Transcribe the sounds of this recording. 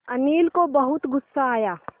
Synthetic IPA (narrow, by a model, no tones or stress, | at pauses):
ɐniːlkobɐɦʊt̪ɡʊsːaːjaː